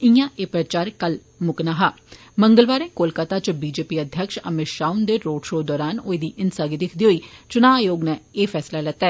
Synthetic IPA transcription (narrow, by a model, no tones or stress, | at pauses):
ɪjãːʔeːpɾət͡ʃaːɾkəl | mʊknaːɦaː | məŋɡəlʋaːɾẽːkoːlkaːt̪aːt͡ʃbiːd͡ʒeːpiːəd̪ʱjəkʃə̰mɪʃaːʊnd̪eːɾoːɖʃoːd̪ɔːɾaːnoːed̪iːʔɪnsaːɡid̪ɪkʰd̪iːɦoːiːt͡ʃʊnaːjoːɡnɛːeːfʰɛːslalɛːt̪ɛː